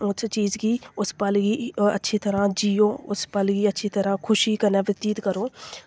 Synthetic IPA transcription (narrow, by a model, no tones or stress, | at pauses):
ʊsʰt͡ʃiːzɡiːʊspəlɡiːə̰tːʃʰiːt̪əɾãːd͡ʒiːoːʊspəlɡiːətːʃʰiːt̪əɾãːkʰʊʃiːkənɛ̃ːʋət̪iːt̪kəɾoː